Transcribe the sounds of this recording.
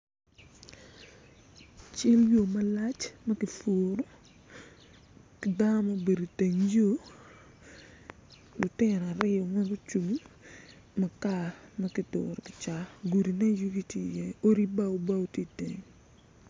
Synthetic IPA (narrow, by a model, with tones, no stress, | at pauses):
t͡ʃɪ˦ljo˨mɐ˦la˦t͡ʃmɐ˦kɪ˨fo˨ɾo˦ | kɪ˨da˦nɔ˦mɐ˦be˨do˨te˨ŋd͡ʒo˦ | lʊ˨tɪ˦nɔ˨a˨ɾɪ˦ɔ˨ŋɛ˦ɡo˦t͡ʃu˨ŋ˦ | mɐ˨ka˦˨mɐ˦ki˨do̰˨ɾkɪ̥˨t͡ʃa˦ɡu˨di˨nɛ˦jo˦ki˦ti˦˨jɛ˦o˦ɾi˦ba˦o˦ba˦o˦ti˦te˨ŋ